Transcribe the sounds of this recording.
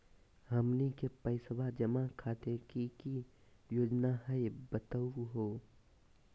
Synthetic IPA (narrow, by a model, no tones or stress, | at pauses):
ɦəmnikepəɪsbad͡ʒɐmakʰaːt̪ekiki | joːd͡ʒnaɦəebət̪əɦoː